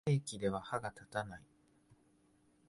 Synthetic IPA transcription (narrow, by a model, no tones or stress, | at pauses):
eːkʲid̪e̞β̞ahaɡat̪at̪anai